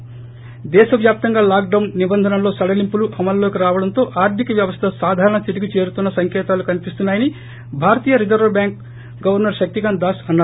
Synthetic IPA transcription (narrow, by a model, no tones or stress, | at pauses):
d̪ɛːʃɐʋjaːp̚t̪ɐŋɡaːlaːk̚ɖɐwnnːibɐnd̪ʱɐnɐmlo̞ːsɐɽɐlimpuluʔɐmɐlːo̞ːkiɾaːʋɐɽɐnt̪o̞ːʔaːɾd̪ʰʱikɐʋjɐʋɐst̪ʰɐsaːd̪ʱaːɾɐɳɐt̪iʈikit͡ʃe̞ːɾut̪unːɐsɐŋkɛːt̪aːlukɐnipist̪unːaːjɐni | bʱaːɾɐt̪iːjɐɾid͡ʒɐɾʋɐbjaːŋk̚ | ɡɐʋɐɾnɐɾʃɐk̚t̪iɡand̪aːsɐnːaː